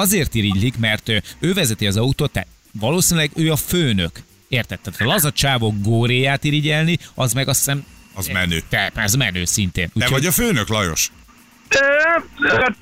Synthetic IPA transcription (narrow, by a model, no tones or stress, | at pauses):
ɒzeːrt̪iɾiɟlikmɛrt̪øøːvɛzɛt̪iɒzɒut̪oːt̪ːa̰ːt̪ | vɒloːsinlɛɡøːɒføːnøk | eːrt̪ɛt̪ːɛt̪ɒlɒzɒt͡ʃaːvoɡɡoːɾeːjaːt̪iɾiɟɛlniɒzmɛɡɒssɛmɒzmɛ̰nø̰ːt̪ɛpɒzmɛnøːsint̪ḛːnuːɛcʰoɔɟɒføːnøklɒjo̞̰ʃ